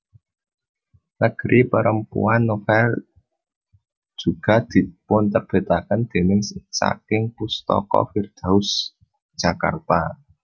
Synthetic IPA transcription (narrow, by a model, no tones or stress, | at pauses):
nəɡ̥əɾʔipəɾəmpṵanːofɛl | d̥d͡ʒ̥ṳɡ̥ä̤d̪̥i̤pʊnt̪ərb̥e̤t̪akənd̪̥e̤nɪŋssa̰kɪŋpust̪ɔ̰kɔ̰fird̪̥a̤ʊs | ʒ̥a̤ka̰rt̪a